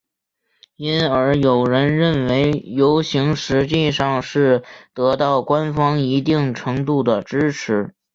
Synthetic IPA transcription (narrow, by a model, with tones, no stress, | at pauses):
i˥nə˞˧˥jo˨˩ʊɻə˧˥nɻə˥˩nwe˧˥ɪjo˧˥ʊɕi˧˥ŋʂɻ̩˧˥t͡ɕi˥˧ʂɑ˥˧ŋʂɻ̩˥˩t̪ɤ˧˥t̪ɑ˥˩ʊkwa˥nfɑ˥ŋi˧˥t̪i˥˩ŋʈ͡ʂʰɤ˧˥ŋt̪u˥˩d̪ə˩ʈ͡ʂɻ̩˥ʈ͡ʂʰɻ̩˧˥